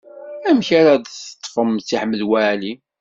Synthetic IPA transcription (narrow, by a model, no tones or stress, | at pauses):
æmçaɾad̪θə̥t̪ˤːfəmt͡sːiħməðwæʕli